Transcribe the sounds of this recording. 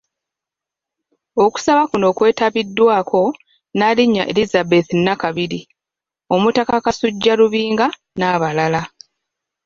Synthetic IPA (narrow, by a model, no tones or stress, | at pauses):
o̞ku̥saβakuno̞ːkwe̞ːtaβidːwaːkʰo̞ | naliɲːa̰ʔḛlizabe̞θinːakaβiɾi | o̞mutakakasuɟːaluβiːŋɡa | naːβalala